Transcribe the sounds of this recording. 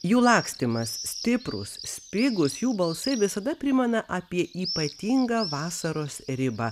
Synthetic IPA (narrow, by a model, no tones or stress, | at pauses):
juːlˠɑːksʲt̪ʲɪmɐssʲt̪ʲɪpɾʊ̰ssʲpʲɪɡʊsjuːbɐlˠsɐɪʋʲɪsɐd̪ɐpʲɾʲɪmʲɛnɐʔɐpʲiɛʔiːpɐt̪ʲiːŋɡɐːʋɑːsɐɾoːsɾʲɪbɐ